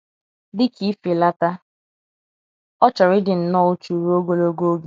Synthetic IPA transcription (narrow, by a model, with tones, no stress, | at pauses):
dɪ˦kʰi˦fɪ˨la˦ta˦ | ɔ˦t͡ʃɔ˨ɾɪ˦dɪ˨n̩˨nɔ˦˨ʊ˦t͡ʃu˨ɾu˦o˦ɡo˦lo˦ɡo˦ɡe˦